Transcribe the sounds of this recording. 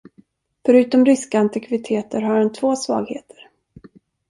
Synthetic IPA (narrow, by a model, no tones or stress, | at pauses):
fœɾʉ̟ːt̪ɔmɾɪskaant̪ɪkʰvɪt̪ʰeːt̪əɾɦaɾhɛnt̪ʰvoːsvɑ̰ːɡheːt̪ʰə̥ɾ